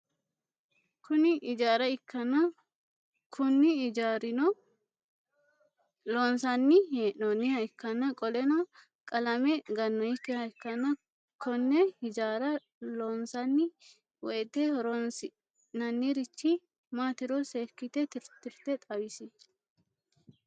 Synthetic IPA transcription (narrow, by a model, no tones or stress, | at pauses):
kʰʊnɪʔɪd͡ʒaːɾɐɪkːɐnɐ | kʰʊnːɪd͡ʒaɾɪnɔ | loːnsɐnːɪhenɔnɪhɐɪkːɐnːɐkʼɔlɛnɐ | kʼɐlɐmɛɡɐnːɔɪkːɪhɐɪkːɐnːɐ | kʰɔnːɛɪd͡ʒaːɾɐ | loːnsɐnːɪ | wɔɛt̪ːehɔɾɔnsɪ | nɐnːiɾɪt͡ʃːɪ | maːt̪ɪɾɔseːkːɪt̪ɛt̪ɪɾt̪ɪɾt̪ɛt̪ʼɐwɪsɪ